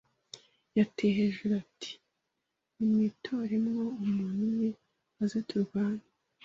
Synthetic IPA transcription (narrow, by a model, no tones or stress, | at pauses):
jatʰeɦeʒeɾatʰi̥ | imŋitʰoɾimŋo̞umuːn̥uwe | azetʰuɾɡwaːnḁ